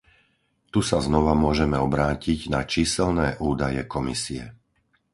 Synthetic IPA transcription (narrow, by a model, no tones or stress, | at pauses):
t̪usaznɔʋamʊɔʒɛmɛɔbɾaːciɟnat͡ʃiːsɛlnɛːʔuːd̪ajɛ̰kɔmisiɛ̰